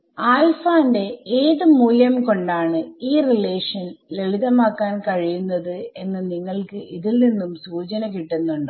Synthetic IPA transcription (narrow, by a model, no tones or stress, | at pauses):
aːlfaːinde̞eːðɨmuːljɐmko̞ɳɖaːɳɨiːrile̞ːʂɐnleɭiðɐmaːkːaːnkɐɻijunːɐðɨe̞nːɨniŋːɐɭkɨʔiðilninːumsuːt͡ɕɐnɐkiʈːenːuɳɖɨ